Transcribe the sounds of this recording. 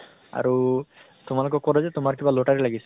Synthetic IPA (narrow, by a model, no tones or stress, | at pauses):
a̰ɾu | t̪um̤alukɔkɔɾɔzet̪umaɾɔkibaloʈaɾelaɡisɔ̥